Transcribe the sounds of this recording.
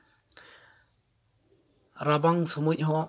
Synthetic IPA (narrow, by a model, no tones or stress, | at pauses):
ɾabaŋsɔmuʔ̚ɦɔ